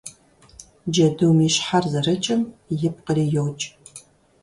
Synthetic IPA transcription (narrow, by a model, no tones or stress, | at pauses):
d͡ʒɐdɨwmiːɕħarzɐrɨt͡ʃʼɪmjɪp̚qəriːjowt͡ʃʼ